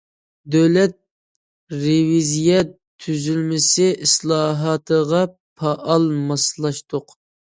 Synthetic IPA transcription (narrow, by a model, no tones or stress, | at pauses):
d̪øwlɛt̪̚ | ɾevizijɛt̪ʰːyzylmɪsɪʔislˠɑːɦɑt̪ʰəʁɑ | pʰɑʔɑlˠmɑslˠɑʃt̪ʊq